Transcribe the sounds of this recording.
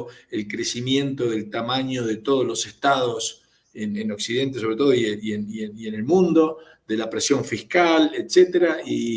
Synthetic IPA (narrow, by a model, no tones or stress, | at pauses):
elkɾesimje̞nt̪o̞ðelt̪amaɲo̞ð̞et̪o̞ð̞olo̞seht̪aðo̞s | eneno̞ksiðe̞nt̪es̬oβɾet̪o̞ð̞oieenieiene̞lmũnd̪o̞ | ðelapɾesjo̞ɱfihkalet̪set̪eɾai